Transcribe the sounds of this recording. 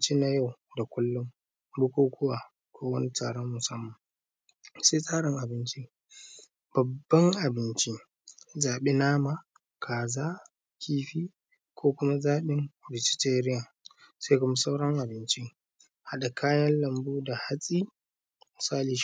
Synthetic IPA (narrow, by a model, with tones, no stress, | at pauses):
t͡ʃi˦na˦ja˦˨wda˨kʷʊ˦lːʊ˦m | bʊ˦kʷoː˦kʰʷʊ˦waː˨ | kʷoː˦wɐ˦ni˦taː˨ɽo˦mːʊ˨sɐ˦mːɐ˨m | se˦sʼaː˦ɽɪ˨ŋʔa˨bɪ˦nt͡ʃi˦ | b̥ɐ˨bːɐ˦ŋʔa˨bɪ˦nt͡ʃi˦ | zaː˨ɓe˦naː˦ma˨ | kʰaː˨zaː˦ | kʲiː˦ɸiː˦ | kʰʷoː˦kʷʊ˦ma˦zaː˦ɓɪ˦nbɪ˨t͡ʃɪ̥˦teː˦ɾɪ˦jaː˨ | se˦kʷʊ˦ma˦sa˦wɽɐ˦ŋʔa˨bɪ˦nt͡ʃi˦ | ha˨ɗa˨kʰaː˦jɐ˦nlɐ˨mbuː˦da˨ha˦sʼi˦ | mɪ˨saː˦liː˨